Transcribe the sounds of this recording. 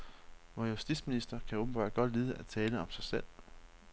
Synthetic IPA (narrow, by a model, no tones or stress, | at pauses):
ʋɒjusd̥id̥sminisd̥ɐkʰæoːb̥m̩b̥ɑ̈ːd̥̚ɡ̥ɒ̽d̥liːð̞ˠæt͡sʰɛːləɒ̽msɑ̈ɪsel̰